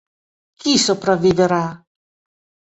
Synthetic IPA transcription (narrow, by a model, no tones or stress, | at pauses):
kisopɾavːiveɾa